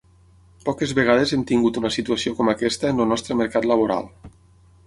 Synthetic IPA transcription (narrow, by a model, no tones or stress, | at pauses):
pɔkezβeɣ̞að̞ezemt̪iŋɡut̪unəsit̪uasiokɔmakɛst̪əenəlnɔst̪ɾəməɾkat̪ləβ̞oɾa̰lˠ